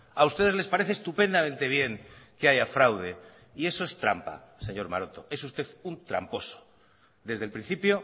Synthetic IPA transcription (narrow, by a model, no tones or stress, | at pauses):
aust̪e̞ð̞e̞zle̞spaɾe̞θeːst̪upe̞nd̪amẽnt̪e̞βje̞ŋke̞aʝafɾawð̞e̞ | ie̞so̞e̞st̪ɾa̰mpa̰se̞ɲo̞ɾma̰ɾo̞t̪o̞e̞sust̪e̞θunt̪ɾa̰mpo̞so̥ | d̪e̞zðe̞lpɾin̟θipjo̞